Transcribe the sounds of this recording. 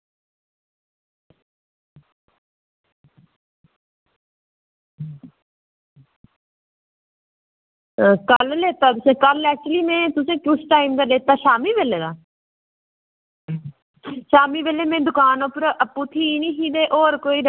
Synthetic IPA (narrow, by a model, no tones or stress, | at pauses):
kəlleːt̪aːt̪ʊsẽːkəlɛːk̚t͡ʃʊəliːmɛ̃ːt̪ʊsẽːkʊsʈaːimd̪aːleːt̪aːʃaːmiːʋeːleːd̪aː | ʃaːmiːʋeːleːmẽːd̪ʊkaːnoːpɾʔəpːut̪ʰiːnĩːɦiːd̪eːʔoːɾkoːiːɾ